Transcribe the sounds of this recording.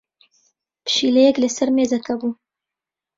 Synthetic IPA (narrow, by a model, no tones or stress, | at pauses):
pʃileɡləsəɾmezakabu